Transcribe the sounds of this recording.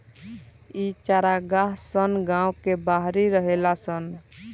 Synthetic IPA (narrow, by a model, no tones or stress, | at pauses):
it͡ʃaɾaɡaɦsənɡãwkebaɦɾiɾəɦelasən